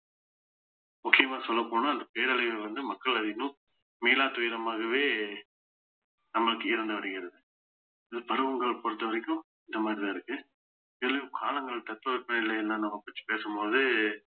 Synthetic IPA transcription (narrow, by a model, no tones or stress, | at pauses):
mʊkːɪjɐmaːsɔlːɐpːoːnaːɪnd̪ɐpeːɾɐlɐʋʋɐnd̪ɯmɐkːɐɭɐðɪnʊ̃ | miːlaːt̪ʊjɪɾɐmaːɣɐʋeː | nɐmːɐɭɯkːɯɪɾɯnd̪ɐʋɐɽɪɣɪɾɐðɯ | ɪðɯpɐɾɯʋɐŋɡɐɭpɔɾɯt̪ːɐʋɐɾɐkʲːʊ̃ | ɪnd̪ɐmaːd̪ɾɪðaɪɾɯkːɯ | ɪlːɐkʰaːlɐŋɡɐɭt̪ɐt̪ːɐʋɐɾpːɐnɪlːɐjɛlːãːnɐmːɐpɐt͡ʃːi̥peːsɐmpoːðɯ